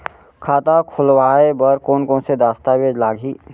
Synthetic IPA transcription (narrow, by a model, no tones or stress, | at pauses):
kʰaːt̪akʰʊlwaːebəɾkoːnkɔ̃ːnsed̪aːst̪awed͡ʒlaːɡʱiː